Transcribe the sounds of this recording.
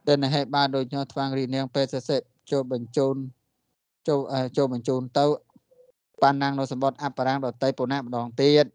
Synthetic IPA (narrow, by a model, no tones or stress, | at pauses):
ɗ̪ɨnːiɦeːɓaːl̚ɗoːc̚kʰnɔht̪ʰʋaŋrihniəŋpeːt̪̚seset̪̚t͡ɕoluːn | oʔət͡ɕoːlɓɑɲt͡ɕuːnt̪ɨw | panːaŋnɨwsɑmɓot̪̚ʔapːaɾaŋɗɑt̪ɨjpoːnaʔmə̆ɗɑːŋt̪iət̪̚